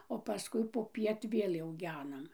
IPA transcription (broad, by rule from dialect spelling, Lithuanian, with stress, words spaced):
oː pɐˈskʊɪ poːˈpʲiɛt ˈʋʲeːlʲ jɛʊ ˈɡʲæːnɐm